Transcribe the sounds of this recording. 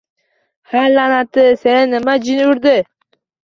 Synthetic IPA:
halanat̪ʰɪsenɪnːɪmad͡ʒɪnʊɾd̪ɪ

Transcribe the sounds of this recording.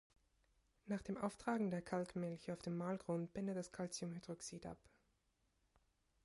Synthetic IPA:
naːχd̥eːmʔa̰ʊftʁ̥aːɡŋ̩deːɐkʰalkmɪlçəaʊfd̥eːmːaːlɡʁont̚b̥ɛndət̚d̥askʰalt͡siʊmhydʁɔksiːtʔa̰p

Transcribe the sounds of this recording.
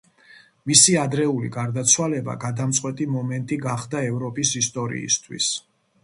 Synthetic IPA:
misiad̪ɾɛulḭɡaɾd̪at̪sʰwalɛba̰ɡad̪amt̪sʼqʼwɛt̪ʼimɔmɛnt̪ʼiɡaχd̪aɛvɾɔpʼisist̪ʼɔɾḭist̪ʰwḭs

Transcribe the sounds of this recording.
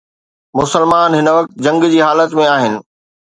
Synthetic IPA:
mʊsəlmaːnɦɪnəʋɐk̚t̪ʊd͡ʑɐ̃ŋɡd͡ʑiːɦaːlət̪mẽaːɦɪnɪ̆

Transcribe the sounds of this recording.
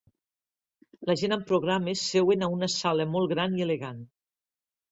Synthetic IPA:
ləʒenampɾoɣɾamesːewenaunəsaləmɔlˠɣɾanieleɣan

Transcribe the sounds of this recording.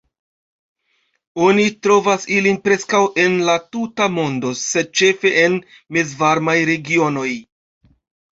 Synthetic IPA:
o̞nitɾo̞vasilinpɾe̞skawʔe̞nlatutamo̞ndo̞sed̚t͡ʃe̞fe̞ʔen | mezvaɾmajɾe̞ɡio̞no̞j

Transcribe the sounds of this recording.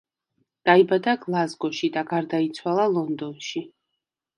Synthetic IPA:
d̪̥aibad̪aɡlˠazɡɔʃid̪aɡaɾd̪ait̪sʰwalˠalˠɔnd̪ɔnʃi

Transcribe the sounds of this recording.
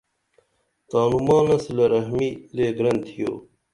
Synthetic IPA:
t̪aːnumãːnɐsilɐɾɐɦmileːɡɾɐnt̪ʰijo̰ː

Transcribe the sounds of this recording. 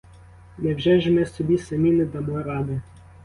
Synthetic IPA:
nɛwʒɛʒemɛsɔbʲisɐmʲinɛd̪ɐmɔjɾɑd̪ɪ

